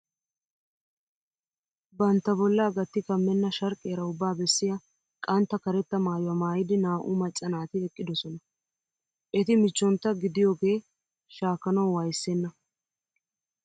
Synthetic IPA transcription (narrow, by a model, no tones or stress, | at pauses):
bɐnt̪ːɐbɔlːɐːɡɐt̪ːɪkɐmːɛnːɐʃɐɾkʼːeːɾɐʊbːaːbɛsːɪjɐ | kʼɐnt̪ːɐkɐɾɛt̪ːɐmaːjwɐmaːjɪd̪ɪnaːʔʊmɐt͡ʃʼːɐnaːt̪ɪɛkʼːɪd̪ɔsɔnɐ | ʔɛt̪ɪmɪt͡ʃːɔnt̪ːɐɡɪd̪ɪjo̞ːɡe̞ː | ʃaːkːɐnɐwwaːjsːenːɐ